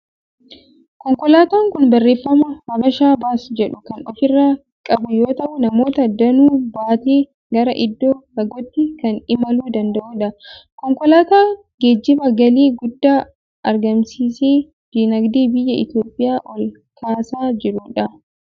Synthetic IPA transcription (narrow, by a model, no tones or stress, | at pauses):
kɔŋkɔlaːt̪aːŋkʊnbɐrːe̞ːfːɐmɐhɐbɐʃaːbaːsd͡ʒɛᶑʊkɐnɔfɪrːaː | kʼɐbʊjo̞ːt̪ɐʔʊnɐmo̞ːt̪ɐd̪ːɐnuːbaːt̪eː | ɡɐɾɐʔɪd̪ːoːkɐɡɔt̪ːɪkɐnɪmɐluːd̪ɐnd̪ɐʔuːᶑɐ | kɔŋkɔlaːt̪aː | ɡ̥eːd͡ʒːɪbɐɡɐliːɡʊd̪ːaː | ʔɐɾɡɐmsiːseː | d͡ʒ̥iːnɐɡd̪iːbɪjːɐɪ̰t̪joːpʼːɪjaːʔɔl | kʰaːsaːd͡ʒɪɾʊᶑɐ